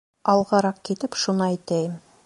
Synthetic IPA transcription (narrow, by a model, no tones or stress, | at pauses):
ɑlˠʁɑɾɑq̚kit̪ɘpʃunɑæjt̪æjɘm